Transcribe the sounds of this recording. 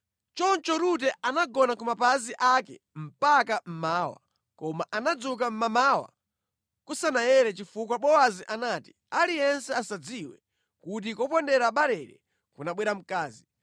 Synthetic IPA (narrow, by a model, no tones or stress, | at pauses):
t͡ʃɔnt͡ʃɔɾut̬ɛʔanaɡɔnakumapaziʔakɛ̰ | m̩pakam̩maːwa̰ | kɔmaʔanad͡zuk̬am̩mamaːwa̰ | kusanajɛɾɛt͡ʃifukwaɓɔwaziʔanati̥ | alijɛnsɛasad͡ziwɛ | kut̬ikɔpɔndɛɾaɓaɾɛɾɛ̰ | kunaɓwɛɾam̩kaːzi